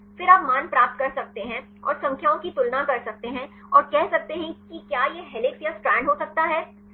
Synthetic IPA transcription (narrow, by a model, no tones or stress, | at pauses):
fɪɾaːpmaːnpɾaːp̚t̪̚kɐɾsɐk̚t̪eɦɛ̃ | ɔ̰ːɾsɐ̃ŋkʰjaõkit̪ʊlnãkɐɾsɐk̚t̪eɦɛ̃ː | ɔːɾkɛɦsɐk̚t̪eɦɛ̃kikjaːjeɦɛlɪksjasʈɾɛːɳɖɦoːsɐk̚t̪aɦɛː